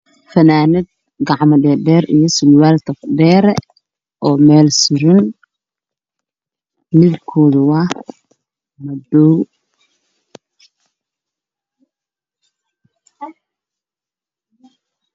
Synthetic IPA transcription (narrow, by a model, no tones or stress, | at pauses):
fɐnaːnɪd̪̚ | ɡɑʕmɔɖɛːɖɛːrḭjɔsɪlwaːlt̪ʰɐfɖɛːɾɛ | ʔɔːmɛːlsɪɾɪn | mɪβkʰɔːðʊwɑ | mɐd̪ɔw